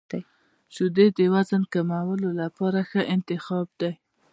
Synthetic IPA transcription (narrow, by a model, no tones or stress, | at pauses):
t͡ʃʊd̪ed̪əwazənkamawəlolapɑɾaxəʔɪnt̪ɪxɑb̚d̪aj